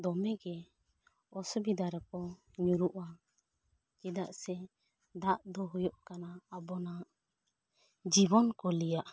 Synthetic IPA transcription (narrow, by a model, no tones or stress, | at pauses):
d̪ɔmɛɡɛ | ɔsɔbid̪aɾakɔ | ɲuɾuʔa | kɛd̪aʔsɛ | d̪aʔd̪ɔɦujɔʔkanaːbɔna | d͡ʒibɔnkɔlijaʔ